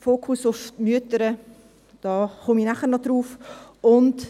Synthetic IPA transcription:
foːkʰusʊfmyətəɾə | d̥ɑːχʊminæχəɾnɔd̥ɾuːfʊnt

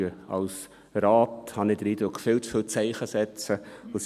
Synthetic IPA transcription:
əɑ̰ls | ɾaːthɑnɪd̥əɾiːd̥̪ɾʊkfɪltsfɪlt͡sæɪχəsɛt͡səos

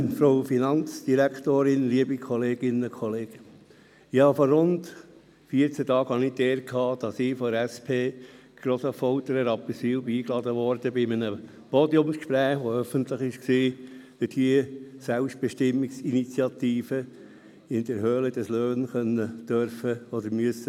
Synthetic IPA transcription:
fɾoʊfinɑnt͡sd̥iɾæktoːɾɪnliəbikʰɔleːɡɪnəkʰɔleːɡ̥ | ɪhɑfɔrrʊnt | fiəɾt͡sɛtɑːɡhɑnɪdeːɾkʰɑːd̥ɑsɪːfɔdəɾɛspʰeː | ɡ̥ɾoːsəfɔlt̪əɾəɾɑpəsiːlbiːklɑd̪əʋɔɾd̥əbɪmənə | podjʊmskʃpɾæːχʋoœfənt̪ləχɪʃksiːtədiəsælpʃtb̥eʃtɪmːɪksinit͡sjɑt̪iːfə | ɪnd̥̪əɾhøːləd̥ɑsløːnχœnːəd̥øɾfəɔd̪əɾmyəsə

